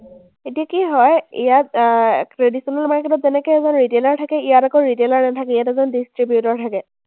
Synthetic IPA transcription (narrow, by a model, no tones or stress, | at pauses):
etijakiɦɔjḭjatkɹedisɔnalmaɹkʰɛtɔtzɛnɛkojɛzɔnɹitelaɹtʰakɛijatakɔɹitelaɹnɛtʰakɛijatɛzɔndistɹibjutɔɹtʰakɛ